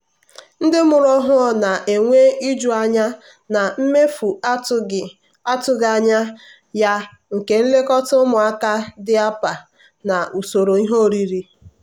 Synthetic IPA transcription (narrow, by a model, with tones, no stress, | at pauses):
n̩˦dɪ˦mʊ˨ɾɔ˦ɦʊ˦ɔ˨na˨ʔe˨ŋʷe˦ʔi˦d͡ʒu˦a˦ɲa˦ | na˨m̩˦me˦fu˨a˦tʊ˦ɡɪ˨ | a˦tʊ˦ɡa˨ɲa˦ | ja˦ | ŋ̩˨ke˨n̩˦le˦kɔ˦tʊ˦mʊ˨a˦ka˦dɪ˦a˦pa˨ | na˨ʔu˨so˨ɾo˨i˦ɦo˦˨ɾi˦ɾi˨